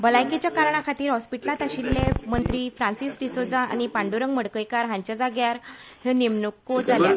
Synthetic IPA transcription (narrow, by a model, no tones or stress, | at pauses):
bəlajket͡ɕjakaɾɳ̃akʰat̪iːɾɦɔspiʈlat̪aɕilːẽmənt̪ɾiːfɾãnsisɖisod͡zãa̰ñipaɳɖuɾəŋɡməɽkəjkaɾɦãɲt͡ɕad͡zaɡjaɾhenemnukod͡zalja